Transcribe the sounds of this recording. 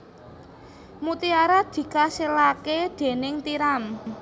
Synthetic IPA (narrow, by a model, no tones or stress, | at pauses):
mut̪iaɾad̪̥i̤kaselaked̪̥e̤nɪŋt̪iɾam